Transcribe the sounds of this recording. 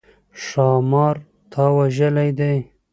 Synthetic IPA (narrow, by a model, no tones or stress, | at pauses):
ʂɑmɑɾ | t̪ʰɑwaʒəlajd̪aj